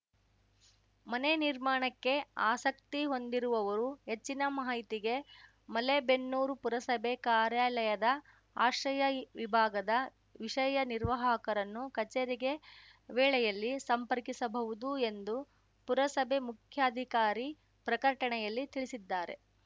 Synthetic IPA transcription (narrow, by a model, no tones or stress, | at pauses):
mɐneniɾmaːɳɐkːe̞aːsɐkt̪iɦo̞nd̪iɾuʋɐʋɐɾuɦe̞t͡ʃːinɐmɐɦɐjt̪iɡe̞ | mɐlebe̞nːuːɾupuɾɐsɐbʱekaːɾjaːlɐjɐd̪ɐ | aːʃɾɐjɐʋibʱaːɡɐd̪ɐ | ʋiʂɐjɐniɾʋɐɦɐɐkɐɾɐnːukɐt͡ʃeːɾiɡe̞ʋɛːɭɛjɐlːisɐmpɐɾkisɐbɐʋud̪ue̞nd̪u | puɾɐsɐbʱe̞mukʰjaːd̪ʱikaːɾi | pɾɐkɐɾʈɐɳɛjɐlːit̪iɭisid̪ːaːɾe̞̰